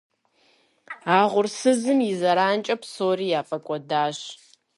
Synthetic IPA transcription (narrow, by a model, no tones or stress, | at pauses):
aːʁʷʊrsɨzɨmɪzɐɾaːnt͡ʃʼɐpsoːriːjaːfʼɐkʷʼɔdaːɕ